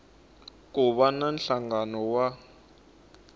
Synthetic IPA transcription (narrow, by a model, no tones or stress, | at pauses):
k̬uɓananɬaŋɡanɔwa